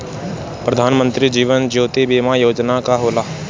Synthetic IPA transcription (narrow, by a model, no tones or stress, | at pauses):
pɾəd̪ʱaːnmə̃nt̪ɾid͡ʒiːʋənd͡ʒoːt̪ibiːmajoːd͡ʒnakaɦoːlaː